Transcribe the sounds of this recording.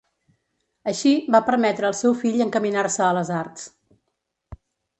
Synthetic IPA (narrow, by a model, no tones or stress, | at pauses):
əʃibapəɾmɛt̪ɾəːlˠsɛwfiʎəŋkəminarsəːləzart̪s